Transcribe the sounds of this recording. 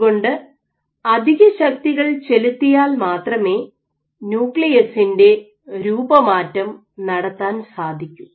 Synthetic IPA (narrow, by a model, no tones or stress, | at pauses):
ɣo̞ɳɖɨ | ɐd̪ʱiɣɐɕɐk̚t̪iɣɐɭt͡ɕe̞lut̪ːijaːlmaːt̪rɐme̞ː | njuːkɭijɐsinde̞ | ɾuːbɐmaːtːɐm | nɐɽɐt̪ːaːnsaːd̪ʱikʲːum